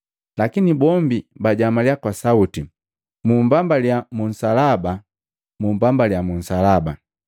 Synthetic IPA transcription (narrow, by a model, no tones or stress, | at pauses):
lakinibɔmbibaɟamaljakwasauti | mumbambaljamun̩salaba | mumbambaljamun̩salaba